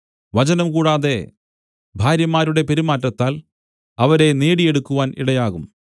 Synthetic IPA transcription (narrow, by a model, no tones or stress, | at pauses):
ʋɐt͡ɕɐnɐmkuːɽaːðe̞ | bʱaːɾjɐmaːɾuɽe̞pe̞ɾimaːtːɐt̪ːaːl | ɐʋɐɾe̞neːɽije̞ɽukːuʋaːnḭɽɐjaːɣum